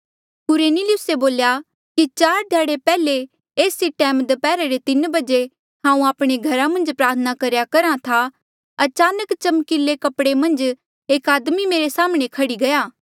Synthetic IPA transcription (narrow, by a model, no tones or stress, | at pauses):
kʊɾeːnilɪjʊseboːlja | kit͡ʃaːɾd̪ʱjaːɽepɛːle | eːsiʈɛːmd̪epɛːɾeɾet̪ɪnbɐd͡ʒe | ɦãːũaːpɽ̃eɡʱɐɾamɐ̃nd͡ʒpɾaːɾt̪ʰnakɐɾjakɐɾãt̪ʰa | ɐt͡ʃaːnəkt͡ʃɐmkɪlːekɐpɽemɐ̃nd͡ʒ | eːkaːd̪mimeːɾesaːmɽ̃ekʰɐɽiɡɐjaː